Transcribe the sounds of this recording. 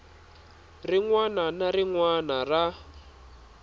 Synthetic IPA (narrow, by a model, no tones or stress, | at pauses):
riŋwananariŋwanara